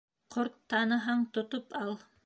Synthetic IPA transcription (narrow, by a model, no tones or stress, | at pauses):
qʰoɾt̪ːɑnɤ̆ɦɑɴt̪ŏt̪opɑlˠ